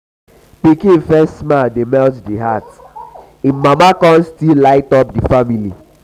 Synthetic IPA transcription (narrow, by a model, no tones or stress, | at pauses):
pikĩfɛstsmaldemɛltdiɦat | imamakɔ̃nstillaɪtɔp̚difamilḭ